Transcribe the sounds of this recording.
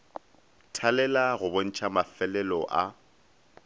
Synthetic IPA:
tʰalɛlaɣʊbon̩t͡ʃʰʼamafɛlɛlɔʔa

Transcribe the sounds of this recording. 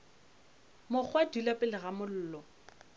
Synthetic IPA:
mʊk͡xʰwadulapʼɪlɪɣamʊl̩ːlɔ

